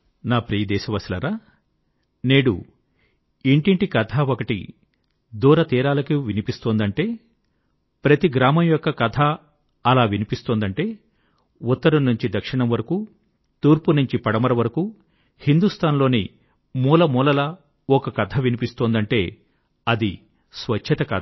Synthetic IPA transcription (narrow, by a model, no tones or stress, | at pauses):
naːpɾiːɐd̪ɛːʃɐʋɐslɐɾaː | neːɽṵ | iɳʈiɳʈikɐt̪ʰaːokɐʈḭ | d̪uːɾɐt̪iːɾaːlɐkiʋinipist̪oːnd̪ɐɳʈe̞ː | pɾɐt̪iɡɾaːmɐmjɔkːɐkɐt̪ʰaː | ɐlaːʋinipist̪oːnd̪ɐɳʈe̞ː | ut̪ːɐɾɐmnːuɲt͡ʃid̪ɐkʂiɳɐmʋɐɾɐkuː | t̪uːɾpunuɲt͡ʃipɐɽɐmɐɾɐʋɐɾɐkuː | hind̪ust̪ʰaːnlo̞ːni | muːlɐmuːlɐlɐ | ɔkɐkɐt̪ʰɐʋinipist̪oːnd̪ɐɳʈe̞ː | ɐd̪i | sʋɐt͡ʃʰːɐt̪ɐkaːd̪